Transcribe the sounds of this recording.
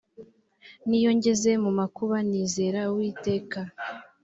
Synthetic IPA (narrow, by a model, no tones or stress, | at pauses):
nijo̞ɲɟe̞ze̞mumakuβaniːze̞ɾawiːte̞ːka